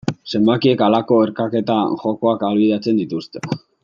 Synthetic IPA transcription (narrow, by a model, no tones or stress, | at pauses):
se̞mbakie̞kalako̞eɾkake̞t̪aʝo̞ko̞akalβiðat͡se̞nd̪it̪ust̪e̥